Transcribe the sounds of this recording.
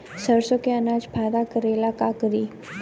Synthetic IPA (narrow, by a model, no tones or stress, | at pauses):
səɾsõkeɐnaːd͡ʒbʱaːɾakəɾeːlakaːkəɾiː